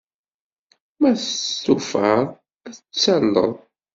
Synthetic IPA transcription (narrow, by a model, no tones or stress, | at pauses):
mæθsufəɾˤ | æθət͡sːælːə̰ðˤ